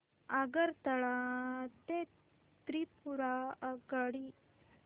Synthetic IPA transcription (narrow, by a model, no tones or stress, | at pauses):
aɡəɾt̪əɭat̪e | t̪ɾipuɾaɡəɽi